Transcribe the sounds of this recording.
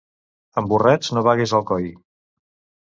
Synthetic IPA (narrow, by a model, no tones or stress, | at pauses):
əmburɛd͡znoβaɣezəlˠkɔj